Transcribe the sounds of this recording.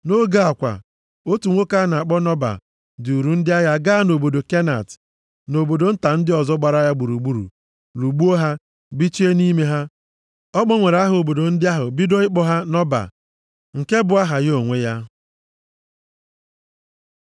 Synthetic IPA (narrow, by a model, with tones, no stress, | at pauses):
no˦ɡa˦˨a˨kʷa̰˨ | o˦tu˨ŋʷo˦ka˦na˨a˨k͡pɔ˦nɔ˦ba̰˨ | dɪ˨u˨ɾu˨˦n̩˦dɪ˦a˦ja˦ɡa˦a˦no˨bo˨do˨ke˦na̰˨t | no˨bo˨do˨n̩˦ta˨n̩˦dɪ˦ɔ˨zɔ˦ɡ͡ba˨ɾa˦ja˦ɡ͡bu˨ɾu˨ɡ͡bu˦ɾṵ˨ | lu˨ɡ͡bu˦o˦ɦa˦ | bi˦t͡ʃi˦e˦ni˦me˦ɦa˦ | ɔ˦k͡pɔ˦ŋʷe˨ɾa˦ɦo˨bo˨do˨n̩˦dɪ˦a˦ɦʊ̰˨bi˦do˦ɪ˦k͡pɔ˦ɦa˦nɔ˦ba̰˨ | ŋ̩˨ke˦bʊ˨a˦ɦa˨jo˨ŋʷe˦ja˦